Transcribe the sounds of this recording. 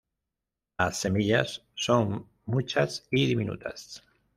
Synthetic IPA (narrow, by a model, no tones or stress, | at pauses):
lasːe̞miʎasso̞ŋ | mut͡ʃasiðimĩnṵt̪ʰa̰s